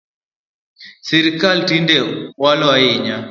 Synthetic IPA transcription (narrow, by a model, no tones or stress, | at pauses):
sɛɾikaltindɛwalwaiɲa